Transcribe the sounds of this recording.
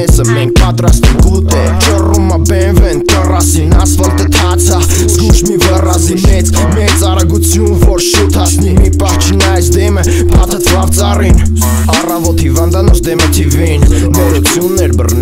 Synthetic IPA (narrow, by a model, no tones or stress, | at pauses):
ɛsəmɛŋk̚ʰpɑt̪ɾɑst̪ɛkut̪ɛ | t͡ʃəruməbɛnvɛnt̪ərɑsinɑsvɔlt̪ət̪ʰɑt͡sʰə | zɡuʃmivərɑzimɛt͡s | mɛjt͡sɑrɑɡut͡sʰjunvɔɾʃut̪ʰɑsnimipɑht͡ʃʰnɑjsd̪ɛmə | pʰɑt̪ʰət͡sʰvɑvt͡sɑrin | ɑrɑvɔt̪hivɑnd̪ɑnɔt͡ʃd̪ɛmət̪ʰivinnɔɾut͡sʰjunːɛɾbərn